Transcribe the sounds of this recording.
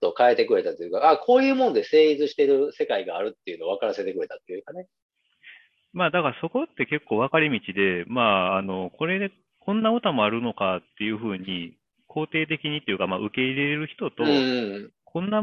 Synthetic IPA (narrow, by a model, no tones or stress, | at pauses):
t̪o̞kaet̪e̞kɯ̟ɾe̞t̪at̪ojɯ̟kaakʰo̞ːjɯ̟ːmo̞nod̪e̞se̞ːit͡sɨɕi̥t̪e̞ɾɯ̟se̞kaiɡaːɾɯ̟t̪ːejɯ̟no̞βakaɾase̞t̪e̞kɯ̟ɾe̞t̪at̪ːejɯkane̞ | maːd̪akaɾaso̞ko̞t̪ːe̞ke̞kːo̞ːβakaɾʲimʲit͡ɕid̪e̞maːno̞ko̞ɾe̞d̪e | kõ̞nːaot̪amo̞aɾɯ̟no̞kat̪ːe̞jɯ̟ɸɯ̟ːɲ̟i | kʰo̞ːt̪e̞ːt̪̬e̞kʲiɲ̟it̪o̞jɯ̟kamaʔɯ̟ke̞iɾe̞eɾɯ̟çi̥t̪o̞t̪õ̞ | kʰõ̞nːa